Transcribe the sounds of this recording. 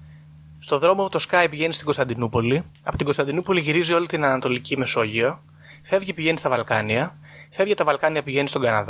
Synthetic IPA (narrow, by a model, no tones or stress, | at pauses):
st̪o̞ðɾo̞mout̪o̞skɐipiʝe̞nist̪iɡo̞st̪ɐnd̪inupo̞liɐpot̪iɡo̞st̪ɐnd̪inupo̞liʝiɾizio̞lit̪inɐnɐt̪o̞licime̞so̞ʝiɐ | fe̞vʝipiʝe̞nist̪ɐvɐlkɐ̰niɐ | fe̞vʝet̪ɐvɐlkɐniɐpiʝe̞nist̪o̞ɡɐnɐðɐ